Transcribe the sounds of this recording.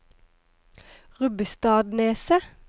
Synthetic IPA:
ʁʉbəst̪ɑːd̪neːsə

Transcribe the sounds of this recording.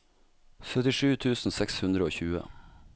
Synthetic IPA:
sœt̪ɪʂʉːt̪ʰʉːsn̩sɛkshʉnd̪ɾəoːçʉːə̰

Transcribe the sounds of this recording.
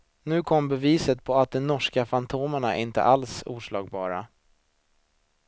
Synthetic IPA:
nʉ̟ːkʰɔmːbɛviːsət̪̚pʰɔat̪̚d̪ɔmnɔʂkafant̪ʰoːməɳaʔɪnt̪ə̰ʔalsṵːʂɭɑːɡ̚bɑːɾa̰

